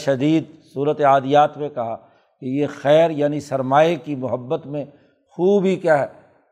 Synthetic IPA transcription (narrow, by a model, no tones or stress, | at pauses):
ʃɐd̪iːd̪suːɾət̪eaːd̪ijaːt̪mẽkɐɦa | kejexɛːɾjaːnisɐɾmaːekimʊɦəbːət̪mẽ | xuːbʱikjaːɦɛː